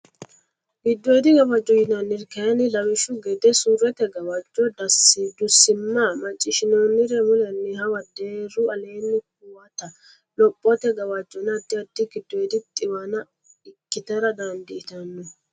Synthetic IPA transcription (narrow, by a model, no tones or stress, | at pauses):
ɡ̥id̪ːɔed̪iɡɐwad͡ʒːɔhinanːiɾkɛnilɐwɪʃuɡɛd̪ɛsuɾɛt̪ɛɡɐwad͡ʒɔd̪ɐsid̪usːimːamɐt͡ʃʼːɪʃɪnoːnːiɾɛmulɛnːihawad̪eɾuɐleːnːik̚uwat̪a | lɔpʼːɔt̪ɛɡɐwad͡ʒːɔnad̪ːiad̪ːiɡid̪ːɔed̪itʼɪwana | ikːɪt̪ɐɾad̪and̪iːt̪anːɔ